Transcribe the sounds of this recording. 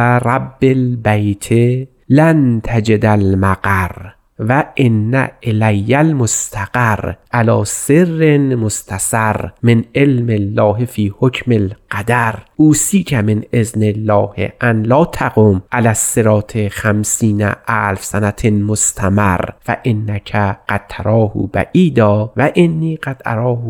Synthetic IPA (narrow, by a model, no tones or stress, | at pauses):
ɾˤabːelbæjt̪ʰe | lænt̪ʰæd͡ʒed̪ælmaɡaɾ | væʔenːæ̰ʔelæjːælmost̪ʰæɡaɾʔalɒːserːenmost̪ʰasaɾmenʔelmelːɒːhefiːhokʰmelqad̪æɾʔuːsiːkʰæmenʔeznelːɒːhḛʔænlɒːt̪ʰaɡomʔalæsːeɾɒːt̪ʰexæmsiːnæ̰ʔæːlfsænæt̪ʰemost̪ʰæmarfæ̰ʔenːækʰæɢ̥ad̪̥̚t̪ʰaɾɒːhṵːbæ̰ʔiːd̪ɒːvæʔenːiːɡad̪̥ʔa̰ɾɒːh